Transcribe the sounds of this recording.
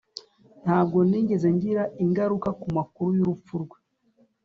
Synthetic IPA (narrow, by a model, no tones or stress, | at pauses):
n̥haːb̚ɡo̞niːɲɟeze̞ɲɟiɾaʔiŋɡaɾukakumakuɾujuɾup͡fuɾɡwe